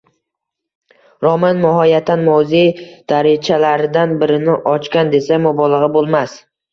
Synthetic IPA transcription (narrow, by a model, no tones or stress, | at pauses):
ɾɒmanmɪɦɒjat̪ʰːanmowzid̪̥aɾɪt͡ʃʰalaɾɪd̪anbɪɾɪnɪʔɒt͡ʃkʲand̪e̞samɒbɒlˠɨʁɪbolˠmas